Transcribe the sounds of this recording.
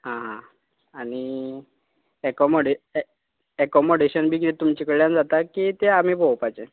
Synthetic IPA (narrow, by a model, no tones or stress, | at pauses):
ɦãɦã | añi | ɛkɔmoɽe | ɛkɔmoɽeɕənbʱiːkit̪et̪umt͡ɕikəɽljand͡zat̪akit̪eam̤iːbowpajt͡ɕẽ